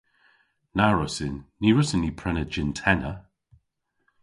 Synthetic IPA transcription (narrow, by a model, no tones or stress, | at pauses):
naɹɔsɪnːiɹʊsənːipʰɹɛnəd͡ʒɪntʰɛnə